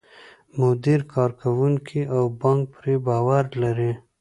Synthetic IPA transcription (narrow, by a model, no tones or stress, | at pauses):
mʊd̪iɾkʰɑɾkʰawuŋkʰiawbɑŋk̚pɾebɑwaɾlaɾi